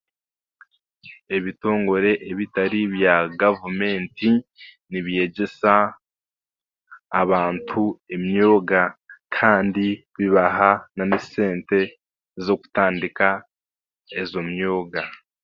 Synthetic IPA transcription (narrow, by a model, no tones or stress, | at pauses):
e̞βito̞ːŋɡo̞ɾe̞ʔeβitaɾiβjaɡavume̞ːnti | niβije̞ɟe̞sa | βaːntʰuemɲo̞ːɡakʰaːndi | βiβaɦananesse̞ːnte̞ | zo̞ku̥taːndika | ezo̞mɲo̞ːɡa